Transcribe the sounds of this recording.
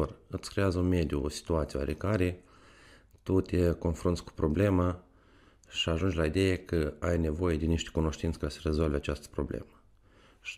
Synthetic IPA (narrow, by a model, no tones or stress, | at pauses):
orɨt̪skɾejazəunme̞d̪juosi̥t̪uat̪sieoa̰ɾekaɾe | t̪ut̪eko̞nfɾunt̪sʲku̥pɾo̞ble̞ma | ʃiaʒund͡ʒʲlaid̪e̞jekəajne̞vo̞je̞d̪eniʃt̪e̥kuno̞ʃt̪int̪səkasəɾe̞zo̞lveat͡ʃast̪ə̥pɾo̞̰blḛmə